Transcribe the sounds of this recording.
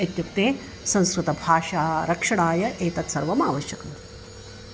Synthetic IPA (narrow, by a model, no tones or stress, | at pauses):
ɐt̪juk̚t̪eː | sɐ̃nskɾut̪ɐbʱaːʂaːɾɐkʂɐɽaːjɐʔeːt̪ɐt̪sɐɾʋɐmaːʋɐʃjɐkɐm